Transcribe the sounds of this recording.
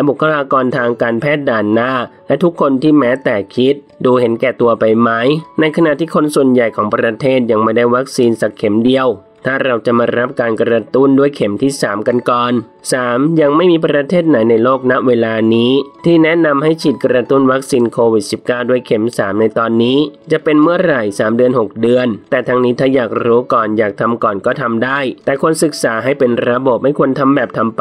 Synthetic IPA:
lɛ˦˥bu˨˩kʰːa˧laː˧kɔː˧nt̪ʰaː˧ŋkaː˧npʰɛː˥˩t̪̚daː˨˩nːaː˥˩lɛ˦˥t̪ʰu˦˥kʰːo˧nt̪ʰiː˥˩mɛː˦˥t̪ɛː˨˩kʰi˦˥t̪̚duː˧he˩˦nkɛː˨˩t̪u˧ɐpa˧jma˦˥jna˧jkʰa˧na˨ʔt̪ʰiː˥˩kʰo˧nsu˨˩ənja˨˩jkʰɔː˩˦ŋpɾa˧t̪ʰeː˥˩t̪̚ja˧ŋma˥˩jda˥˩jwa˦˥k̚siː˧nsa˨˩kʰːe˨˩˦mdi˧əw | t̪ʰaː˥˩ɾa˧wt͡ɕa˨˩maː˧ɾa˦˥p̚kaː˧nkɾa˧t̪u˥˩ndu˥˩əjkʰe˩˦mt̪ʰiː˥˩saː˩˦mka˧nkɔː˨˩n | saː˩˦mja˧ŋma˥˩jmiː˧pɾa˧t̪ʰeː˥˩t̪̚na˩˦jna˧jloː˥˩k̚na˦˥ʔweː˧laː˧niː˦˥t̪ʰiː˥˩nɛ˦˥na˧mɦa˥˩jt͡ɕʰiː˨˩t̪̚kɾa˧t̪u˥˩nwa˦˥k̚siː˧nkʰoː˧wi˨˩si˨˩p̚kaː˥˩wdu˥˩əjkʰe˩˦msaː˩˦mna˧jt̪ɔː˧nːiː˦˥t͡ɕa˨˩ʔpe˧nmɯ˥˩əɾa˨˩jsaː˩˦mdɯ˧ənɦo˨˩k̚dɯ˧ənt̪ɛː˨˩t̪ʰa˧ŋniː˦˥t̪ʰaː˥˩jaː˨˩k̚ɾuː˦˥kɔː˨˩njaː˨˩k̚t̪ʰa˧mkɔː˨˩nkɔː˥˩t̪ʰa˧mdaː˥˩j̪ɛː˨˩kʰu˧ənsɯ˨˩k̚saː˩˦ɦa˥˩jpe˧nɾa˧bo˨˩p̚ma˥˩jkʰu˧ənt̪ʰa˧mbɛː˨˩p̚t̪ʰa˧mp

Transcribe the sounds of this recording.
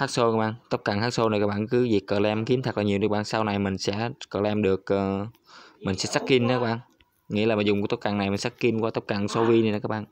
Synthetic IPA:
haː˦˥k̚so˧kaː˦˥ɓaː˧˨nt̪ə˦˥p̚ka˨˩ŋhaː˦˥k̚so˧n˨˩kaː˦˥k̚ɓ̰aː˧˨nkɨ˨˦vi˨˩kːəː˧˨˩lɛ˧mki˨˦əmt̪ʰə˨˩k̚lːɲi˨˩əwɨ˨˩˦k̚ɓaː˧˨nsa˧wna˨˩jmï˨˩ŋ̟sɛ̰˧˥kəː˧˨˩lɛ˧mɗɨ˨˩ək̚ʔː | mï˨˩ŋ̟sɛ̰˧˥sa˦˥kki˧nə˨˦aː˦˥ɓaː˧˨ | ŋḭ˧˥laː˨˩maː˨˩zʊ˨˩ŋ͡mkːt̪o˦˥k͡p̚ka˨˩na˨˩jmi̟˨˩sa˦˥kki˧nkwaː˧t̪ə˦˥p̚ka˨˩ŋso˧vi˧ni˨˩˨kaː˦˥k̚ɓaː˧˨n

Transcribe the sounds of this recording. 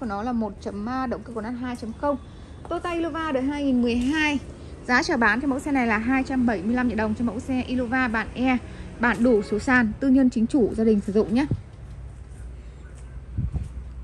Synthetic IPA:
u˧˩nɔ˨˦laː˨˩mo˨˩t̚t͡ɕə˨˦mːaː˧ɗə̰˧˨wŋ͡mkɨː˧kwnaː˦˥t̚ɦaː˧jt͡ɕə˨˦mxə˧w | t̪o˧t̪aː˧ʔi˧lo˧vaː˧ɗəː˨˩jɦaː˧jŋi˨˩nmɨ˨˩əjɦaː˧j | zaː˨˦t͡ɕəː˧˩ɓaː˨˦nt͡ɕɔ˧mə̰˧˥wsɛ˧na˨˩jlaː˨˩ɦaː˧jt͡ɕa˧mɓə˧˩jmɨ˧əjla˧mɲḭ˧˨ɗə˨˩wŋ͡mt͡ɕɔ˧mə̰˧˥wsɛ˧ʔi˧lo˧vaː˧ɓa̰ː˧˩nʔɛ˧ɓa̰ː˧˩nɗu˧˩so˨˦saː˨˩nt̪ɨ˧ɲə˧nt͡ɕï˨˦ŋ̟t͡ɕu˧˩zaː˧ɗï˨˩ŋ̟sɨ˧˩zʊ̰˧˨ŋ͡mɲaː˨˦

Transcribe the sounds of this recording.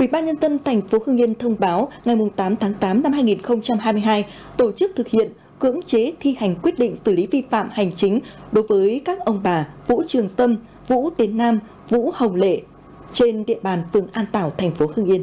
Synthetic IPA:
ʔḭ˧˩ɓaː˧nɲə˧nzə˧nt̪ʰa˨˩jŋ̟fo˨˦hɨ˧ŋʔi˧ənt̪ʰə˧wŋ͡mɓaː˨˦wŋa˨˩jmʊ˨˩ŋ͡mt̪aː˨˦mt̪ʰaː˨˦ŋt̪aː˨˦mna˧mhaː˧jŋi˨˩nxə˧wŋ͡mt͡ɕa˧mɦaː˧jmɨ˧jɦaː˧j | t̪o˧˩t͡ɕɨ˦˥k̚t̪ʰɨ˨˩k̚hḭ˧˨ən | kɨ̰˧˥əŋt͡ɕe˨˦t̪ʰi˧ha˨˩jŋ̟kwi˦˥ət̚ɗḭ̈˧˨ŋ̟sɨ˧˩li˨˦vi˧fa̰ː˧˨mha˨˩jŋ̟t͡ɕï˨˦ŋ̟ɗo˨˦jvəː˨˦jkaː˦˥k̚ʔə˧wŋ͡mɓaː˨˩vṵ˧˥t͡ɕɨ˨˩əŋsə˧m | vṵ˧˥t̪i˨˦ənːaː˧m | vṵ˧˥hə˨˩wŋ͡mlḛ˧˨ | t͡ɕe˧nɗḭ˧˨əɓaː˨˩nfɨ˨˩əŋʔaː˧nt̪aː˧˩wt̪ʰɛ˨˩jŋ̟fo˨˦hɨ˧ŋʔi˧ən

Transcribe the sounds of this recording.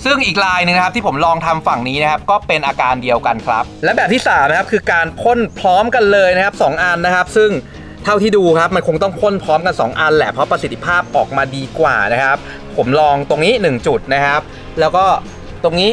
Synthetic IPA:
sɯ˥˩ŋʔiː˨˩k̚ɾaː˧jnɯ˨˩ŋna˦kʰp̚t̪iː˥˩o˩˦mlɔː˧ŋt̪ʰa˧mfa˨˩ŋniː˦˥na˦˥kʰa˦˥p̚kɔː˥˩pe˧nʔaː˧kaː˧ndi˧əwka˧nkʰɾa˦˥p̚lɛː˦˥bɛː˨˩p̚t̪iː˥˩saː˩˦mː˧kʰa˦˥p̚kʰɯː˧kaː˧npʰo˥˩npʰɾɔː˦˥mka˧nlɤː˧jna˥kʰa˦˥p̚sɔː˩˦ŋʔa˧nːa˦˥kʰa˦˥p̚sɯ˥˩ŋ | t̪ʰa˥˩wt̪ʰiː˥˩duː˧kʰɾa˦˥p̚ma˧nkʰo˧ŋt̪ɔ˥˩ŋpʰo˥˩npʰɾɔː˦˥mka˧nsɔ̰ː˩˦ŋʔa˧nlɛ̰˨˩pʰɾɔ˦˥pɾa˧si˨˩t̪ʰːi˦˧pʰaː˥˩p̚ʔɔː˨˩k̚maː˧diː˧kwa̰ː˨˩na˦˥kʰa˦˥p̚ʰːo˩˦mlɔː˧ŋt̪o˧ŋniː˦˥nɯ˨˩ŋt͡ɕu˨˩t̪̚na˦˥kʰa˦˥p̚ | lɛː˦˥wkɔː˥˩ | t̪o˧ŋniː˦˥

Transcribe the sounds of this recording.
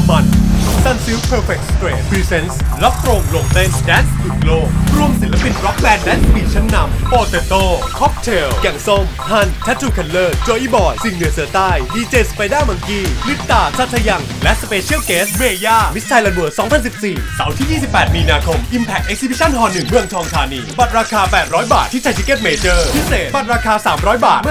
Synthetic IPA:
ma˦˥n˧sa˧˩nsiː˦˥wpʰɤː˧fe˨˩k̚spɾeː˨˩t̪fiː˧se˦nsɾa˦˥p̚t̪ɾo˧ŋlo˧˩ŋt̪e˦˥˩dɛː˦nst̪ʰu˨˩˦kloː˥˩k̚ɾu˧əmsi˨˩˦nlːa˦˧pi˨˧nɾɔ˦˥k̚bɛː˧ndɛː˦˥nspiː˨˩t͡ɕʰɛ˦˥nːa˧˥mpoː˧t̪e˧t̪oː˥˩kʰɔ˦˥p̚t̪ʰeː˧wja˨˩ŋso˥˩mha˧˥˩nt̪ʰɛ˦˥t̪ʰːuː˧˩kʰɛ˧nlɤː˥˩t̪̚t͡ɕoː˧ʔiː˥˩bɔː˨˩t̪̚si˨˩ŋnɯ˨˩˦əsɤː˨˦t̪aː˥˩jdiː˧t͡ɕeː˧spa˧jdaː˥˩ma˧˦ŋkiː˧˩li˦˥t̪̚t̪ːaː˧˩sʰa˦˥˩t̪ʰːa˧ja˧ŋ | lɛ˦˥ʔspeː˧t͡ɕʰi˦˥əwkeː˦˥smeː˧jaː˥˩mi˦˥t̪̚sʰa˧jla˧nbu˨˩əsɔː˩˦ŋpʰa˧nsi˨p̚siː˨˩sa˩˦wt̪ʰiː˥˩jiː˥˩si˨˩p̚ːɛː˨˩t̪̚miː˧naː˧kʰo˧mʔi˧mpʰɛ˨˩k̚ʔe˦k̚si˧bi˦˥t͡ɕʰa˥˩˨nɦɔː˧nːɯ˨˩ŋmɯ˧əŋt͡ɕ̪ʰɔː˧ŋt̪ʰaː˧niː˧ba˨˩t̪̚ɾaː˧kʰaː˧pɛː˨˩t̪̚ɾɔː˦˥jbaː˨˩t̪ʰːiː˦˥˩t͡ɕʰa˧jt̪ʰi˦˥ke˥˩t̪̚meː˧t͡ɕɤː˥˩pʰi˦˥seː˨˩t̪̚ba˨˩t̪̚ɾaː˧kʰaː˧saː˩˦mɾɔː˦˥jbaː˨˩t̪̚m˥

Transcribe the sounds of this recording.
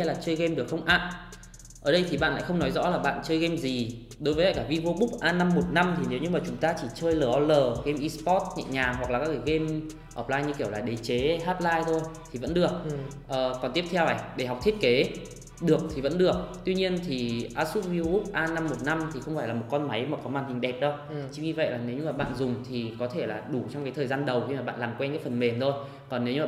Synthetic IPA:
laː˨˩t͡ɕəː˧jɣe˧mɗɨ˨˩ək̚xə˧wŋ͡mʔa̰ː˧˨n | ʔəː˧˩ɗə˧jt̪ʰi˨˩ɓa̰ː˧˨la̰ː˧˨xə˧wŋ͡mnɔ˨˦jzɔ̰˧˥laː˨˩ɓa̰ː˧˨nt͡ɕəː˧jɣe˧mzi˨˩ | ɗo˨˦jvəː˨˦ka˧˩kaː˧˩vi˧vo˧ɓʊ˦˥k͡p̚ʔaː˧na˧mːo˨˩t̚na˧mt̪ʰi˨˩ne˨˦wɲɨ˧maː˨˩t͡ɕʊ˨˦ŋ͡mt̪aː˧t͡ɕi˧˩t͡ɕəː˧jləː˨˩ʔɔ˧ləː˨˩ɣe˧mʔi˧spɔ˦˥t̚ɲa̰ː˧˨ɲaː˨˩ɦwa˨˩k̚laː˨˩kaː˦˥kːa˧˦˩ɣe˧m | ʔəː˧˩p̚laː˧jɲɨ˧ki˧˩əwlaː˨˩ɗe˨˩t͡ɕe˨˦haː˦˥p̚laː˧jt̪ʰo˧jt̪ʰi˨˩və̰˧˥nɗɨ˨˩ək̚ | ʔəː˨˩kɔ˨˩nt̪i˦˥əp̚t̪ʰɛ˧wʔa˧˩ɗe˧˩ɦa˨˩k͡p̚t̪ʰi˦˥ət̚ke˨˦ | ɗɨ˨˩ək̚t̪ʰi˨˩və̰˧˥nɗɨ˨˩ək̚t̪wi˧ɲi˧ənt̪ʰi˨˩ʔaː˦˥t̚su˦˥t̚vi˧u˦˥p̚ʔaː˧na˧mːo˨˩t̚na˧mt̪ʰi˨˩xə˧wŋ͡mfaː˧˩jlaː˨˩mo˨˩t̚kɔ˧nma˨˦jmaː˨˩kɔ˨˦maː˨˩nhï˨˩ŋ̟ɗɛ˨˩p̚ɗə˧w | t͡ɕɨ˨˧˦ŋɲɨ˧və̰˧˨jlaː˨˩ne˨˦wɲɨ˧maː˨˩ɓa̰ː˧˨nzʊ˨˩ŋ͡mt̪ʰi˨˩kɔ˨˦t̪ʰe˧˩laː˨˩ɗu˧˩t͡ɕɔ˧wŋ͡mkaː˨˦jt̪ʰəː˨˩jzaː˧nɗə˨˩wxi˧maː˨˩ɓa̰ː˧˨nlaː˨˩mkwɛ˧nkaː˨˦jfə˨˩nme˨˩nt̪ʰo˧j | kɔ˨˩nːe˨˦wɲɨ˧a˨

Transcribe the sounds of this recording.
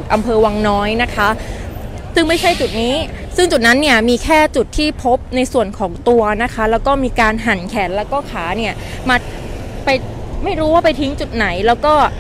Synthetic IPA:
t̪̚ʔa˧mpʰɤː˧wa˧ŋnɔː˦˥jna˦˥kʰa˦˥ | sɯ˥˩ŋma˥˩jt͡ɕʰa˥˩jt͡ɕu˨˩t̪̚niː˦˥ | sɯ˥˩ŋt͡ɕu˨˩t̪̚na˦˥nːi˥˩ɐmiː˧kʰɛː˥˩t͡ɕu˨˩t̪ʰːiː˥˩pʰo˦˥p̚na˧jsu˨˩ənkʰɔː˩˦ŋt̪u˧ɐna˦˥kʰa˦˥lɛː˦˥wkɔː˥˩miː˧kaː˧nɦa˨˩˦nkʰɛː˩˦nlɛː˦˥wkɔː˥˩kʰaː˩˦ni˥˩ɐ | maː˧ | pa˧j | ma˥˩jɾuː˦˥waː˥˩pa˧jt̪ʰi˦˥ŋt͡ɕu˨˩t̪̚na˩˦jlɛː˦˥wkɔː˥˩

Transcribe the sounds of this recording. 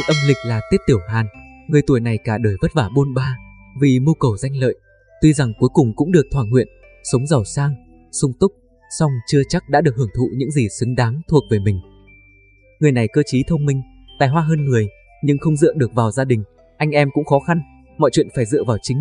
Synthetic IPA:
t̚ʔə˧mlï˨˩k̟̚laː˨˩t̪i˦˥t̚t̪i˧˩əwɦaː˨˩n | ŋɨ˨˩əjt̪u˧˩əjna˨˩jkaː˧˩ɗəː˨˩jvə˦˥t̚vaː˧˩ɓo˧nɓaː˧ | vi˨˩mu˧kə˨˩wza˧jŋ̟lə̰ː˧˨j | t̪wi˧za˨˩ŋku˨˦jkʊ˨˩ŋ͡mkʊ̰˧˥ŋ͡mɗɨ˨˩ək̚t̪ʰwaː˧˩ŋhwḭ˧˨ən | sə˨˦wŋ͡mza˨˩wsaː˧ŋ | sʊ˧ŋ͡mt̪ʊ˦˥k͡p̚ | sa˧wŋ͡mt͡ɕɨ˧ət͡ɕa˦˥k̚ɗa̰ː˧˥ɗɨ˨˩ək̚hɨ˧˩əŋt̪ʰṵ˧˨ɲɨ̰˧˥ŋzi˨˩sɨ˨˦ŋɗaː˨˦ŋt̪ʰu˨˩ək̚veː˧˩jmï˨˩ŋ̟ | ŋɨ˨˩əjna˨˩jkəː˧t͡ɕi˨˦t̪ʰə˧wŋ͡mmï˧ŋ̟ | t̪a̰ː˧˨jɦwaː˧ɦəː˧nŋɨ˨˩əj | ɲɨ˧ŋxə˧wŋ͡mzɨ̰˧˨əɗɨ˨˩ək̚vaː˨˩wzaː˧ɗï˨˩ŋ̟ | ʔa˧jŋ̟ʔɛ˧mkʊ̰˧˥ŋ͡mxɔ˨˦xa˧n | mɔ̰˧˨jt͡ɕwḭ˧˨nfaː˧˩jzɨ̰˧˨əvaː˨˩wt͡ɕï˨˦ŋ̟

